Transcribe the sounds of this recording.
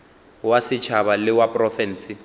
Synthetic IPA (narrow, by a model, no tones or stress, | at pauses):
wasɪt͡ʃʰaβalɪwapʼrɔfɛnsɪ